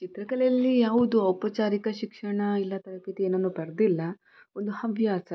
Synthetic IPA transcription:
t͡ʃit̪ɾɐkɐlɛjɐlːijaːʋud̪uɐwpɐt͡ʃaːɾikɐʃikʂɐɳɐilːɐt̪ɐɾɐpit̪ieːnɐnːuːbɐɾd̪ilːɐ | ond̪uhɐʋjaːsɐ

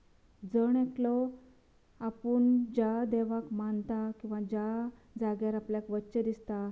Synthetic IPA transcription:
d͡zəɳeklɔ | apuːɳd͡ʑad̪ɛʋakmant̪akĩw̃ʋad͡ʑa | d͡zaɡjaɾapljakʋətːɕəd̪ist̪a

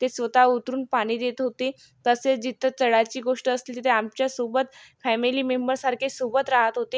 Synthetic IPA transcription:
t̪esʋət̪aut̪ɾuːnpaɽ̃iːd̪et̪ɦot̪e | t̪əset͡sd͡ʑit̪ʰət͡səɽat͡ɕiːɡoʂʈəəslit̪t̪eamt͡ɕjasobət̪fɛmiliːmembəɾsaɾkʰesobət̪ɾaɦət̪ɦot̪e

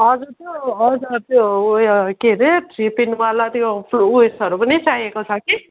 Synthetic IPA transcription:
ʌd͡zurt̪joʌd͡zurt̪jo | keɾeʈripinwalat̪jopʰlouesʌɾupʌnit͡sajekot͡sʰʌki

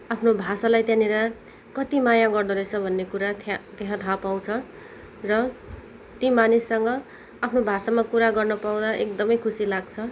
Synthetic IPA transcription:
apʰnobʱasalajt̪jãneɾʌ | kʌt̪imajãɡʌrd̪ʌɾʌt͡sʰʌbʱʌnːekuɾat̪ʰt̪eɦãt̪ʰapaw̃t͡sʰʌ | rʌ | t̪imanisːʌŋɡʌ | apʰnobʱasamakuɾaɡʌrnʌpaw̃d̪aʔekd̪ʌmʌjkʰusilaɡt͡sʰʌ

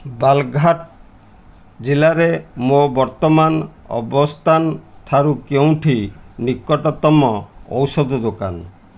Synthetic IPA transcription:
balɡʱaʈ | d͡ʒilaɾemobɔɾt̪ɔmanɔ̰bɔst̪ʰanʈʰaɾukeũʈʰinikːɔʈɔt̪ɔmɔɔ̰wsɔd̪ɔd̪oka̰n

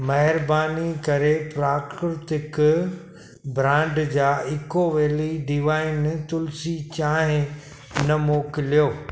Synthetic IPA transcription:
mɐɦɪɾbaːnikɐɾepɾaːkɾɾɪt̪ɪk | bɾãːɳɖd͡ʑaːɪkoʋeːliɖɪʋaːiɪnt̪ʊlsit͡ɕaːɦɪ̃ | nɐmoːkɪlijoː

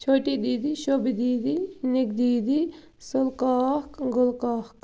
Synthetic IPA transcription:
t͡ʃʰoːʈid̪iːd̪iʃobid̪iːd̪inɪɡ̚d̪iːd̪i | sʊlkaːkɡʊlkaːhk

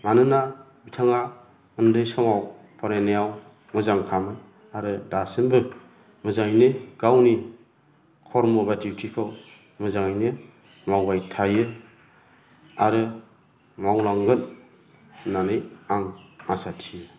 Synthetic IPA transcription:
manɯna | bitʰaŋa | ɯndɯjsɔŋaw | pʰaɾenejaw | mɯzaŋkʰamɯ | aɾɯdasɯnbɯ | mɯzaŋnɯɡ̥awni | kʰɔɾmɔbadiwtʰikʰɯw | mɯzaŋjnɯ | mawbajtʰajɯ | aɾɯ | mawlaŋɡɯn | nanɯjaŋmasatʰijɯ

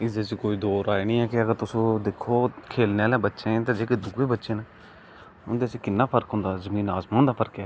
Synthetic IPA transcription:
ɪseːt͡ʃikoːiːd̪oːɾaːeːnĩːɛːkɪəɡəɾt̪ʊsõːd̪ekʰːoːkʰeːlneaːlɛ̃ːbətːʃẽːt̪ãːd͡ʒeːked̪ʊɡeːbətːʃeːnẽ | ʊnd̪eːseːkɪnːaːpʰəɾkɦʊ̃ːnd̪aːzəmĩːnaːsmãːnd̪aːpʰəɾkɛː

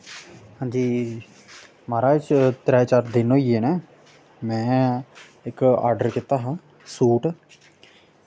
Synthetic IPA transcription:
hãːɲd͡ʒiː | maːɾaːt͡ʃt̪ɾɛːt͡ʃaːɾd̪ɪnoːieːnɛː | mɛ̃ː | ɪka̰ːɾɖəɾkɪt̪aːɦãː | suːʈ

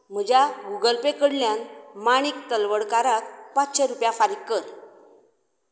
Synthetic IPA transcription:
m̤əd͡ʑaɡuɡəlpekəɽljanmaɽ̃ik̚t̪əlʋəɽkaɾakpat͡sɕəɾupjafaɾikkəɾ

